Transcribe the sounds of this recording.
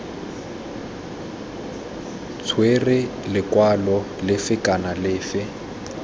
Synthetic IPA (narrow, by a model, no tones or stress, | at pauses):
t͡sʰwerɪlɪkwalɔ | lɪfɪkʼanalɪːfɪ